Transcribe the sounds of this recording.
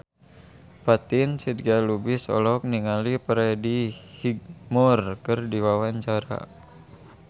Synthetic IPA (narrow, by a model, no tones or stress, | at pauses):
pat̪insid̪ɡalubisɔ̰lɔk̚niŋalipɾɛdihiɡ̚mɔrkɨrdiwawaɲt͡ʃaɾa̰